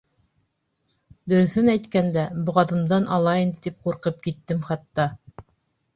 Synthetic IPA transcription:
d̪ɵ̆ɾɵ̆θɘnæjt̪kænd̪æbŏʁɑðɤ̆md̪ɑnʔɑlˠɑind̪ɘ̆t̪ip̚quɾqɤp̚kit̪ːɘmχɑt̪ːɑ

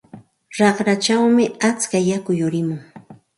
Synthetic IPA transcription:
ɾɑχɾat͡ʃawmɪat͡skajakʊjʊɾɪmʊŋ

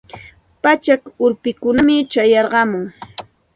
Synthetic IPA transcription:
pat͡ʃakʊɾpɪkʊnamɪt͡ʃajɑɾɢɑmʊŋ

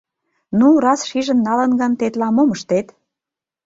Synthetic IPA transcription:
nuɾɑsʃiʒə̆nːɑlə̆nɡɑnt̪et̪lɑmoməʃt̪et̪

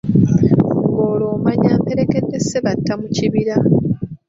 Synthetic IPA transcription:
ɡoːlo̞ːmaɲaːmpe̞ɾe̞ke̞dːe̞sːeβatːamuciβiɾa

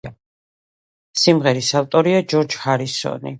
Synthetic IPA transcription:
simʁɛɾisalt̪ʼɔɾiad͡ʒɔɾd͡ʒhaɾisɔ̰nḭ

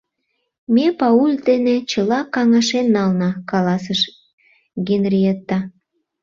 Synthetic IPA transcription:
mepɑulʲd̪enet͡ɕəlɑkɑŋɑʃenːɑlnɑkɑlɑsəʃ | ɡenrʲiet̪ːɑ

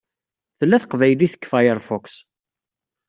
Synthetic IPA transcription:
θəlːæθə̥qvæjliθə̥kːfajəɾfɔks

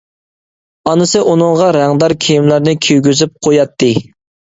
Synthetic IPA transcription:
ɑnɨsɨʔunɨŋʁɑɾæŋd̪ɑɾkʲʰijimlæɾnɪkʲʰyjɡʲyzyp̚qʰojɑt̪ʰːɨ

